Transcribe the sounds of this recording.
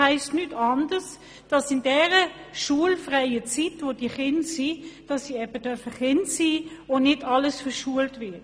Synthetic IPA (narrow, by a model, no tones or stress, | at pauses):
æɪstnytʰɑnd̥əs | d̥ɑsɪndɛːʁə | ʃuəlfʁaɪət͡sitvod̥iːχɪntsiːd̥ɑsːiːɛb̥əd̥œɐfəχɪntsiːonɪdɑləsfəʃuəltvɪɐt